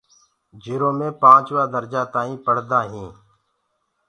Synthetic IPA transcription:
d͡ʒiɾõːmẽːpãːt͡ʃʋaːd̪əɾd͡ʒaːt̪aːĩːpəɽ̤d̪aːɦĩː

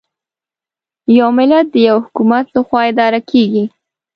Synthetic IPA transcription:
jawmɪlat̪̚d̪əjawhʊkumat̪laxwɑɪd̪ɑɾakʰeɡi

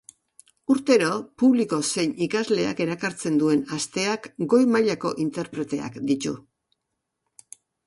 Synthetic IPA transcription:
uɾt̪e̞ɾo̞puβliko̞se̞jnikazle̞a̰ke̞ɾakaɾt͡se̞nd̪ue̞nast̪e̞akɡo̞jmaʎako̞̰ʔint̪e̞ɾpɾe̞t̪e̞a̰kd̪it̪ṵ

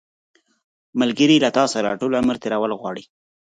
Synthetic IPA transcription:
məlɡəɾilat̪ɑsaɾa̰ʈolaməɾt̪eɾawəlɣwɑɽi

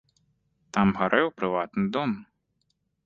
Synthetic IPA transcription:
t̪amɣaɾʔɛwpɾɨvat̪nɨd̪ɔm

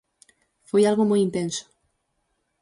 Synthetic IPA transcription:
fojalɣomojint̪ẽnsʊ̥

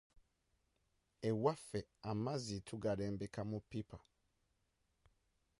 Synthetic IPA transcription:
ewafeamazitʰuɡaleːmbekamupipʰa

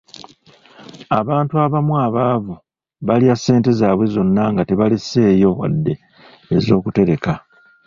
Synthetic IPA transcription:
aβaːntuaβamwaβaːvu | βaliasːe̞ːnte̞zaːβwe̞zo̞nːaŋɡate̞βalise̞ːjo̞wa̰dːe̞ː | zo̞ːkute̞ɾe̞ka

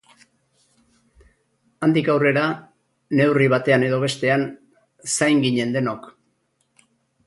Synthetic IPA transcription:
and̪ikawre̞ɾa | ne̞wriβat̪e̞ane̞ðo̞β̞e̞st̪e̞an | sajŋɡiɲe̞nd̪e̞no̞k

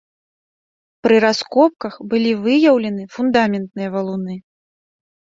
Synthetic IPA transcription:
pɾɨɾaskɔp̚kɐxbɨlʲivɨjɐwlʲɛnɨfund̪amʲɛnt̪̚nɨjɐvɐlˠunɨ

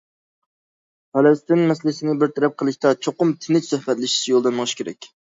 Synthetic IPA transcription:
pɛlɛst̪ɪnmɛslɪsɪnɪbɪɾt̪ʰɛɾɛp̚qʰəlˠɨʃt̪ɑt͡ʃʰoqʊmt̪ʰɪnɪt͡ʃsøhbɛt̪lɪʃi̥t͡ʃʰijolˠd̪ɛnːəʁɨʃkʲeɾɛ̰kʲ

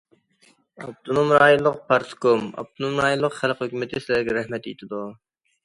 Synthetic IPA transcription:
ɑb̚t̪ʰonumɾɑːjulˠːəq̚pʰɑɾskomɑ̰b̚t̪ʰonumɾɑːjulˠːəqχælˠqhøkʲymɪt̪ʰɪsɪlæɾɡʲɛɾæhmɛt̪jḛt̪ʰɪd̪u

